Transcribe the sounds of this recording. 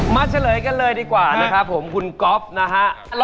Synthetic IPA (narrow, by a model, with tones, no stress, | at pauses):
maː˧˩t͡ɕʰa˧˩lɤː˩˦jka˧nlɤː˧jdiː˧˩kwaː˨˩na˦˥kʰa˦˥pʰːo˩˦mkʰu˧nkɔ˦˥p̚na˦˥kʰa˦˥ʔ